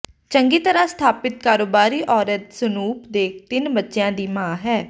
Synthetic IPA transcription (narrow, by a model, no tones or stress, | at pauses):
t͡ʃəŋɡiːt̪əɾãːst̪ʰaːpɪt̪̚kaːɾoːbaːɾiːʔɔːɾət̪sənuːpd̪eːkʰt̪ɪnbətːʃjãːd̪iːmãːɦɛː